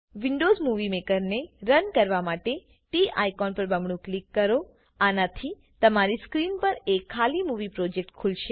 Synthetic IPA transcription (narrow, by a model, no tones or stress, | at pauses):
ʋiɳɖozmuʋimekəɾneɾənkəɾʋamaʈe | ʈiʔa̰jkɔnpəɾbəmɳũklikːəɾo | anat̪ʰi | t̪əmaɾiskɾinpəɾekʰːalimuʋipɾɔd͡ʒek̚ʈkʰulʃe